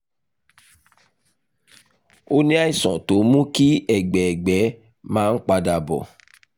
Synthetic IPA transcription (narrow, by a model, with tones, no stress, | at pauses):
o˦nĩ˦a˦i˦˨sɔ̃˨to˨˦mũ˦ki˦ɛ˦˨ɡ͡bɛ˨ɛ˨ɡ͡bɛ˨˦ | mãː˦n̩˦k͡pa˧da˨bɔ̰˨